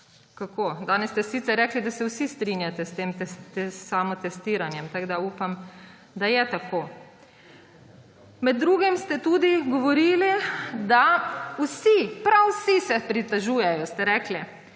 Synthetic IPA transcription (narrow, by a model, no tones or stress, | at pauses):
kakʰoːd̪aːnɛsst̪ɛsːit̪sɛɾːɛːklid̪asɛwsist̪ɾinjat̪ɛst̪eːmt̪ɛsːamɔt̪ɛst̪iːɾanjɛmt̪aɡd̪auːpam | d̪ajɛt̪akoː | mɛd̪̚ːɾuːɡimst̪ɛt̪ud̪iɡɔʋɔɾiːlid̪awsipɾawsisɛpɾit̪aʒuːjɛjɔst̪ɛɾɛːkli